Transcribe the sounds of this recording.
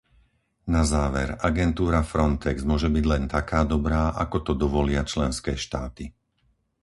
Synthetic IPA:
nazaːʋɛɾaɡɛnt̪uːɾafɾɔnt̪ɛɡzmʊɔʒɛbiɟlɛnt̪akaːd̪ɔbɾaːʔakɔt̪ɔd̪ɔʋɔlɪat͡ʃlɛnskɛːʃt̪aːt̪i

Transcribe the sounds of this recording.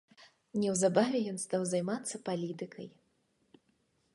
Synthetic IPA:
nʲɛwzabavʲɛjɔnst̪awzajmat̪sːɐpalʲit̪ɨkɐ̰j

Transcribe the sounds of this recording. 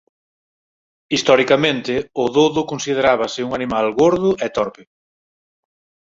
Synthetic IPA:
ist̪ɔɾikamẽnt̪ɪʊðoðʊkonsið̞eɾaβɐsɪuŋanimalɣoɾðʊʔɛt̪ɔɾpɪ

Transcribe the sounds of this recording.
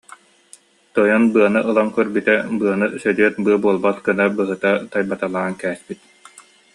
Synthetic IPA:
t̪ɔjɔnbɯɐnɯʔɯlˠaŋkœɾbyt̪ɛbɯɐnɯsœd̪yɛt̪bɯɐbuɔlˠbat̪kɯnabɯɦɯt̪at̪ajbat̪alˠaːnkɛːspit̪̚

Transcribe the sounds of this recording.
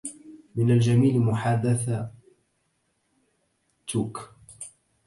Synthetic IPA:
mɪnald͡ʒamiːlmʊħad̪ːaθa | t̪uk

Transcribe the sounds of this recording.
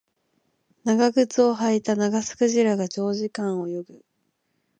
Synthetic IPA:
naɡaɡɯ̟t͡sɨo̞ɦait̪anaɡasɨ̥kɯ̟ʑiɾaɡat͡ɕo̞ːʑikãɰ̃o̞jo̞ɡɯ̟

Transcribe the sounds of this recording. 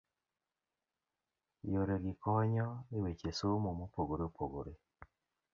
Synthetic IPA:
joɾeɡikɔɲɔiwet͡ʃesomomopoɡoɾeopʰoɡo̰ɾe

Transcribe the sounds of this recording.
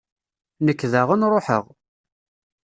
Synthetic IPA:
nəkːðəʁənɾˤoħə̰ʁ

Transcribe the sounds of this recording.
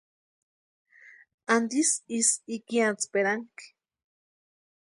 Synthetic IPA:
and̪isisikiat͡speɾaŋki̥

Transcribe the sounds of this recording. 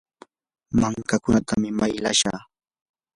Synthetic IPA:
maŋkakʊnat̪ʰamɪmajla̰ʃa̰ː

